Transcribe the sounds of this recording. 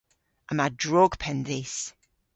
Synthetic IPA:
əmadɹɔɡ̥pʰɛ̃nðis

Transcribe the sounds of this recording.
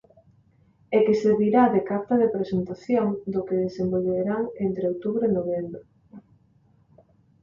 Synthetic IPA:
ekeseɾβiɾaðekaɾt̪aðepɾesent̪aθjoŋd̪ʊkeðesembolβeɾaŋent̪ɾeowt̪uβɾoenoβembɾo

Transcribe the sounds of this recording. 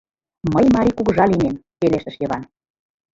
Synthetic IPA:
məjmɑɾʲikuɣɤ̆ʒɑlinempeleʃt̪ə̆ʃjɤ̆βɑn

